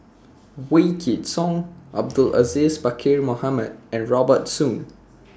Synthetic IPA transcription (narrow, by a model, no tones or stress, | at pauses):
wekʰidsɔ̃ŋʔa̰b̚dula̰zisbakʰiɹmohaməd̚ɛ̃nɹɔbətsũn